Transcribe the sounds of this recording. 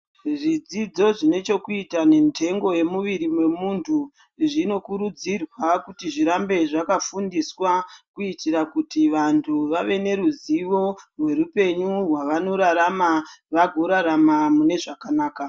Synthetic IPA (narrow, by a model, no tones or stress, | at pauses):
ʐid͡zid͡zo̞ʐine̞t͡ʃo̞kuitane̞mitʰe̞ŋɡo̞je̞muʋiɾimwe̞muntʰu | ʐino̞kuɾud͡zirwakutiʐiɾambe̞ʐakafundiswakuitiɾakutiʋantʰuʋaʋe̞ne̞ɾuziʋo̞rwe̞ɾupe̞ɲurwaʋano̞ɾaɾamaʋaɡʱoɾaɾamamune̞ʐakanaːka